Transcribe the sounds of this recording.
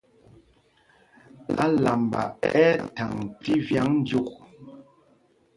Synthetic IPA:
a˦la˨mba̰˨ɛ˦ta˨ŋti˦vja˨˦ŋn̩˦d͡ʒu˦k̚

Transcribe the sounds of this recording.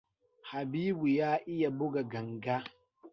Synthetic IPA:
ha˨biː˦bu˨jaː˦ʔɪ˦ja˨bʊ˦ɡa˨ɡɐ˨ŋɡa˦

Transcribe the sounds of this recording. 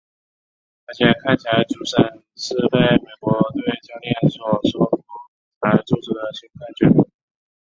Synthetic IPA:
t̪ʰa˥˩t͡ɕʰjɛ˨˧˥kʰa˥˩nt͡ɕʰi˨la˧ɪʈ͡ʂu˥˩ʂə˥˧˩n | ʂɻ̩˥˧pe˥˩ɪme˨˩ɪkwɔ˧˥t̪we˥˩ɪt͡ɕjɑ˥ŋt̪jɛ˥˩nswɔ˨˩swɔ˧˩fɔ˧˩ | la˧˥ɪʈ͡ʂu˥˧ʈ͡ʂ̩˥˩d̪ə˩ɕi˥ŋkʰa˥˩nt͡ɕɥɛ̰˥˩n˥˩

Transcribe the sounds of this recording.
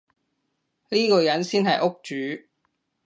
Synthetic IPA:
liː˥kɔː˧jɐ˨˧˥nsiː˥nɦɐ˨jʔʊ˥k̚t͡ʃyː˨˥˦

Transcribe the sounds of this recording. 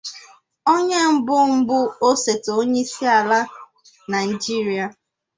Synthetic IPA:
o˦ɲe˦m̩˦bʊ˦m̩˦bʊ˦o˦se˨to˨o˦ɲe˦i˦si˦a˨la˦ | na˨n˨d͡ʒi˦ɾi˦a˨

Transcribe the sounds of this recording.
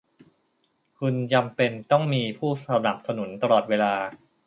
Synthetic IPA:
kʰu˧nt͡ɕa˧mpe˧nt̪ɔ˥˩ŋmiː˧pʰuː˥˩sa˧na˨˩p̚sa˧nu˩˦nt̪a˧lɔː˨˩t̪̚weː˧laː˧

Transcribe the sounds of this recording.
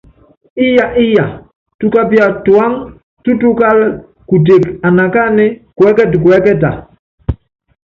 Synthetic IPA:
i˦ja˨ʔi˦ja˨ | tu˦ka˦pi˦a˨tu˨a˦ŋ | tu˦tu˦ka˦l | ku˨t̬e˨ka˨na˨ka˦nɛ˦kwɛ˦kɛ˦tkwɛ˦kɛ˦ta̰˨

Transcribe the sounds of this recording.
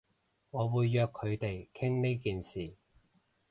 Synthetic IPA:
ŋɔː˨˧wuː˨˧jːœː˨˧kʰːɵ˨˧ɥt̪e˨jkʰɪ˥ŋne˥jkiː˨nsiː˨˩

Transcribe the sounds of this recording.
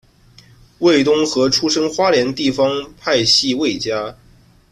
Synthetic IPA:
we˥˩ɪt̪̬ʊ˥ŋxɤ˧˥ʈ͡ʂʰu˥ʂə˥ŋxwa˥ljɛ˧˥nt̪i˥˩fɑ˥ŋpʰa˥˧ɪɕi˥˧we˥˩ɪt͡ɕja˥

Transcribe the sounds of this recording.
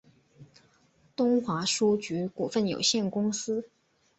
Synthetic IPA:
t̪ʊ˥ŋxwa˧˥ʂu˥t͡ɕy˧˥ku˨˩fə˥˩njo̰˨˩ʊɕjɛ˥˩nkʊ˥ŋsɹ̩˥

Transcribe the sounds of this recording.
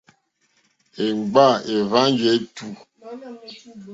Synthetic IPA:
e˨ŋ͡mɡ͡ba˦˨e˨va˦ŋd͡ʒe˨˦tu˨

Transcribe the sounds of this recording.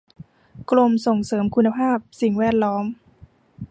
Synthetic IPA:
klo˧mso˨˩ŋsɤː˩˦mkʰu˧nːa˧pʰaː˥˩p̚si˨˩ŋwɛː˥˩t̪̚lɔː˦˥m

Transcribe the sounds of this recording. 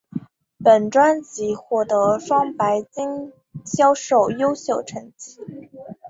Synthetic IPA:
pə˨˩nʈ͡ʂwa˥nt͡ɕi˧˥xwɔ˥˨˩t̪ɤ˧˥ʂwɑ˥ŋpa˧˥ɪt͡ɕi˥ŋ | ɕjɑ˥ʊʂo˥˩ʊjo˥ʊɕjo˥˩ʊʈ͡ʂʰə˧˥ŋt͡ɕi˧˥

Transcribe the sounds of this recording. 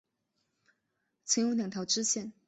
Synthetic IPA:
t͡sʰwə˧˥jo˥˧ŋljɑ˨˩ŋt̪ʰjɑ˧˥ʊʈ͡ʂɻ̩˥ɕjɛ˥˩n

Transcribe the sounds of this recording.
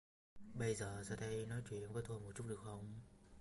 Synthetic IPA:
ɓə˧jzəː˨˩zaː˧t̪ʰə˧˦jnɔ˨˦jt͡ɕwi˧˩ənvəː˨˦jt̪ʰo˧jmo˨˩t̚t͡ɕu˦˥t̚ɗɨ˨˩əkxə˧˩wŋ͡m

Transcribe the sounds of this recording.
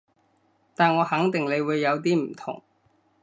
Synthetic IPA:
t̪aː˨nŋɔː˨˧hɐ˨˥ŋt̪ɪ˨ŋle˨˧jwuː˨˧jːɐ˨˧wt̪̬iː˥m̩˨˩t̪ʰʊ̰˨˩ŋ

